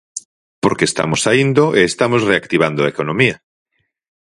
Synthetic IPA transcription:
poɾkest̪a̰mosaind̪oʔeːst̪amosreakt̪iβ̞and̪oaekonõmia

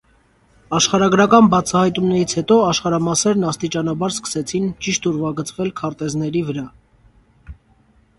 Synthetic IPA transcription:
ɑʃχɑɾɑɡɾɑkɑnbɑt͡sʰɑhɑjt̪umnɛɾit͡sʰhɛt̪ɔɑʃχɑɾɑmɑsɛɾnɑst̪it͡ʃɑnɑbɑɾskə̥sɛt͡sʰint͡ʃiʃt̪uɾvɑɡət͡sʰvɛlkʰɑɾt̪ɛznɛɾivəɾɑ

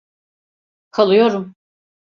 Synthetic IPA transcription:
kʰalˠɯjoɾum

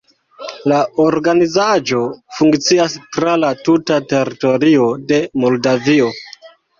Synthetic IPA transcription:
laoɾɡanizad͡ʒo̞fuŋkt͡siastɾalatutate̞ɾito̞ɾio̞de̞mo̞ldavio̞

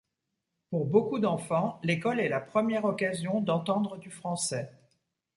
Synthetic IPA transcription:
puʁbokud̪ɑ̃fɑ̃lekɔlɛlapχəmjɛʁɔkazjɔ̃d̪ɑ̃t̪ɑ̃d̪ʁəd̪yfχɑ̃sɛ

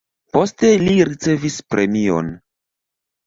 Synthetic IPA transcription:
po̞ste̞liɾit͡se̞vispɾʔe̞mio̞̰n

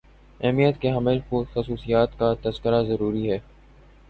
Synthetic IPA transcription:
ɛːmijət̪keɦɐmɪlpuxɐsuːsijaːt̪kat̪ɐzkəɾazɐɾuːɾiɦɛː

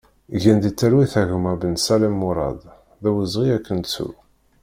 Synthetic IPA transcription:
ʝænd̪it͡sːæɾwiθæʝəmæbənsæləmːuɾˤɑ̰d̪ˤ | ðæwəzʁiækːənt͡sːṵ

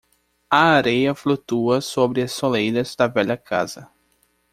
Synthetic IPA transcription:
ɐaɾejɐflut̪uɐsobɾɪɐsolejɾɐzd̪ɐvɛʎɐkʰa̰z̥ɐ

